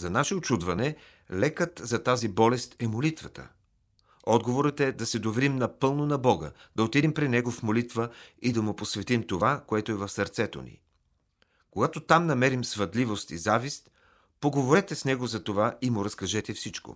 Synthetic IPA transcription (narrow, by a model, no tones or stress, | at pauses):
zɐnaʃɛot͡ʃud̪vɐnɛ | lɛkət̪zɐt̪azibɔlɛst̪ɛmolit̪vət̪ə̰ | ɔd̪ɡovoɾət̪ɛd̪ɐsɛd̪ovɛɾimnɐpɤlˠnonɐbɔɡə̰d̪̥ɐot̪id̪impɾinɛɡofmolit̪vəid̪ɐmʊposvɛt̪imt̪ovakoɛt̪oɛvɐfsəɾt̪sɛt̪o̰nḭ | koɡat̪ot̪amnɐmɛɾimsvɐd̪livost̪izavist̪ | poɡovoɾɛt̪ɛsnɛɡozɐt̪ovaimʊɾɐskɐʒɛt̪ɛfsit͡ʃko̰